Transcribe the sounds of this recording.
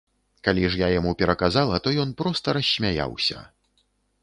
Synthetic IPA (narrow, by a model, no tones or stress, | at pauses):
kalʲiʐjajamupʲɛɾɐkazalˠɐt̪ɔjɔnpɾɔst̪ɐɾɐsʲːmʲaja̰wsʲɐ̰